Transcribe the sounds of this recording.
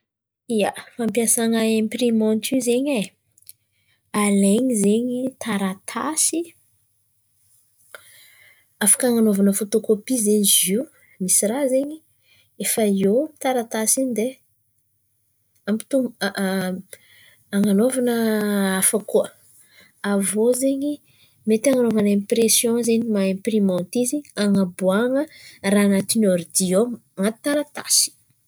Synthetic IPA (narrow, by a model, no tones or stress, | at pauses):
ijafampjasaŋaẽmprimɔ̃ntizeɲa | aleɲizeɲit̪ʰaɾat̪ʰasi | afḁkaŋanovanəfot̪okopizeɲiziu | misirazeɲi | efəiomi̥t̪aɾat̪asiɲid̪e | ampi̥t̪um | aŋanovanəafakuə | avozeɲi | met̪aŋanovanẽpresjõzeɲimaẽmprimɔ̃t̪iziaŋabuaŋəranat̪inoɾd̪io | ŋat̪aɾat̪asi̥